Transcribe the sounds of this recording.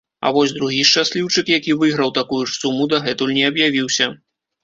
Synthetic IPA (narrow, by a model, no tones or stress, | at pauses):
ɐ̰vɔsʲd̪ɾuɣʲiʂt͡ʂasʲlʲiwt͡ʂɨkjakʲivɨɣɾɐwt̪akujuʂsumud̪ɐɣɛt̪ulʲnʲɛɐbjavʲiwsʲɐ